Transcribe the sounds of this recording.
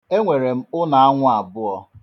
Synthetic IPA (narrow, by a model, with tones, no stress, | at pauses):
e˦ŋʷe˨ɾe˨m̩˦ʊ˦na˨a˦ŋʷʊ˦a˨bʊ˦ɔ˦